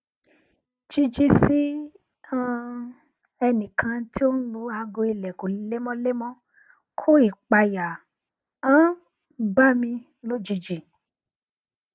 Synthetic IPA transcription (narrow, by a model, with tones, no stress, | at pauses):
d͡ʒi˧d͡ʒi˧si˦ | ã˧ | ɛ˧nĩ˨kʰã˧tʰi˦o˦n̩˦lu˧˦a˧ɡo˧i˧lɛ˨ko˨˦le˦mɔ̃˦le˦mɔ̃˦ | kʰo˦i˦˨k͡pa˧ja˨ | ã˦ | ba˦mĩ˧ | lo˦d͡ʒi˧d͡ʒi˧